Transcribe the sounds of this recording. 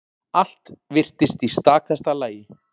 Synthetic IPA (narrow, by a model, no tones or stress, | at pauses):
al̥t̪vɪr̥t̪ɪst̪ist̪aːk̚θɛst̪alaːjɪ